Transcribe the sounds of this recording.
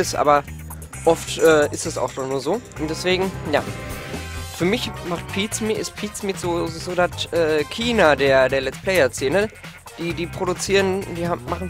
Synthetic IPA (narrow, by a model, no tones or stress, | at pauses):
ɪsʔa̰ːbɐ | ʔɔftʔɛːɪstɛsa̰ʊxd̥annuːɐzoːʔʊnt̚d̥ɛsv̥eːɡŋ̩ja̰ː | fyːɐmɪçmaχt̚pʰiːsmɪɪspʰiːt͡smɪtz̥oːzoːdatʔɛːkʰiːnadeːɐdeːɐlɛt͡sstpʰl̥ɛɪɐt͡seːnə | d̥iːdiːpʁ̥oɾut͡siːʁənd̥iːhamaχn̩